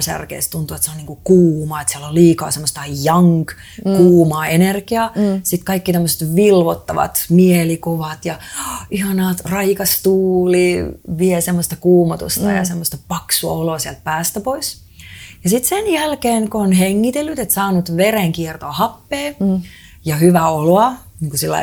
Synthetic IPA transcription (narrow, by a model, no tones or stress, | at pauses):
sæ̰rkḛːst̪unt̪uet̪seoniːŋkukuːmɑːet̪siɛlolliːkɑ̰ːsemːost̪ɑjɑŋk | kuːmɑːenerkiɑsit̪kɑikːit̪æmːøse̥t̪ʋilʋot̪ːɑʋɑ̰t̪mielikoʋɑt̪jɑihɑnɑːt̪rɑikɑst̪uːliʋiɛsemːost̪ɑkuːmɑt̪ṵst̪ɑ̰jɑ̰semːost̪ɑpɑksuɑ̰oloːsiɛlt̪̚pæːst̪æpois | jɑsit̪senjælkeːŋkoonheŋːit̪elːyt̪et̪sɑːnut̪ʋereŋkiɛrt̪oːhɑpːeː | jɑhyʋæoloɑ | niːŋkusilːɑ̰i